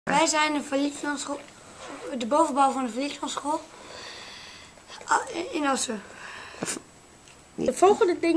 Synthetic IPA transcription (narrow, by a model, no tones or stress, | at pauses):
ʋɛjzɛjnəflins | dəbowvəbɔwfɔndəfərlikɔnsχolˠ | ɪnɔsə | əfolˠɣəndədɪ